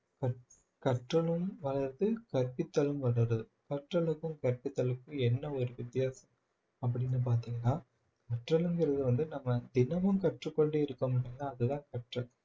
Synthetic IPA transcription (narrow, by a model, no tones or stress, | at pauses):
kɐ | kɐʈrɐɭɯmʋɐɭɐɾt̪ɯkɐɾpɪt̪ːɐlɯmʋɐlɐɾɐðɯkɐʈrɐɭɯkːɯmkɐɾpɪt̪ːɐɭɯkːɯ̃ɛnːɐɔɾɯʋɪt̪ːɪjaːsɐm | ɐp̬ːɐɽɪnːɯp̬aːɾt̪iːŋɡɐnaː | kɐʈrɐɭɯŋɡɪɾɐðɯʋɐnd̪ɯnɐmːɐd̪ɪnɐmɯmkɐʈrɯkːɔɳɖɯɪɾɯkːɐmɐʈːiŋɐnaːɐðɯðãːkɐʈrɐl